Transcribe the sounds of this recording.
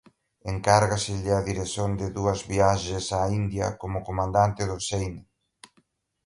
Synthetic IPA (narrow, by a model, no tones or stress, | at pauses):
eŋkaɾɣasɪʎɪaðiɾeθond̪ɪðuɐzβiaʃɪsaind̪jɐ̰komʊkomãnd̪ant̪ɪðʊsejna